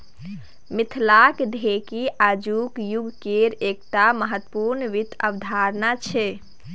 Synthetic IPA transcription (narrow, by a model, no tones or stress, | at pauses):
mit̪ʰlakd̪ʱekiʔad͡ʒukjuɡʱkeɾek̚ʈaməɦət̪ːəpuɾnəʋit̪ʰəbd̪ʱaɾnat͡ʃʰɛ